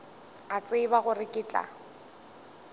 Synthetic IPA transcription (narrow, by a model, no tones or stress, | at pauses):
at͡sʼɪbaɣʊrɪkʼɪːt͡ɬʼa̰